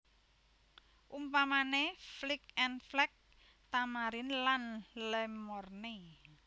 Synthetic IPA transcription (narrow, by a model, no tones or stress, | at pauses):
ʔumpamaneflik̚ɛnflɛk̚ | t̪amaɾɪnlanlɛmɔrne